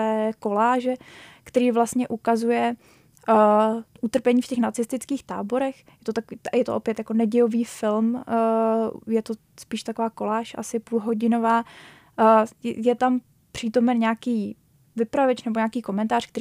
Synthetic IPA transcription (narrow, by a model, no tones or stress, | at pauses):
ɛːko̞laːʒɛkt̪ɛɾiːvlast̪ɲɛʔukazujɛ | ʔut̪r̩pɛɲiːfcɛxnat͡sɪst̪ɪt͡skiːxt̪a̰ːbo̞ɾɛx | jɛt̪ot̪akiːjɛt̪oʔo̞pjɛt̪jako̞nɛɟɛjoviːfɪlmː | jɛt̪o | spiːʃt̪ako̞vaːko̞laːʃʔa̰sɪpulɦo̞ɟɪno̞vaː | jɛt̪am | pr̝̥iːt̪o̞mɛnɲɛakiː | vɪpɾavɛt͡ʃnɛboɲaːkiːko̞mɛnt̪aːr̝̥k̚t̪ɛɾ